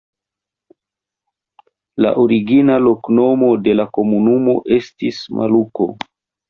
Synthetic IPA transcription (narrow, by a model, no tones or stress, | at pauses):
la̰ʔoɾiɡinalo̞kno̞mo̞de̞lako̞munumo̞̰ʔe̞stismʔa̰luko̞̰